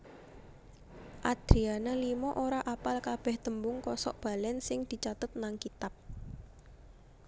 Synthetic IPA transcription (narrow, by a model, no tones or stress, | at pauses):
ʔad̪̥ɾianalimɔʔoɾaʔapalkab̥ɛhd̪̥əmbʊŋkɔsɔʔb̥a̤lɛnsɪŋd̪̥i̤t͡ʃat̪ʊt̪̚naŋkit̪ap̚